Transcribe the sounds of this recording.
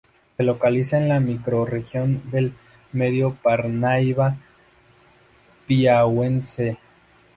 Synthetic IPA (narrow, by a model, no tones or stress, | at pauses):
se̞lo̞kalisaenlamikɾo̞rexjo̞nd̪e̞l | me̞ðjo̞paɾnajβa | piawense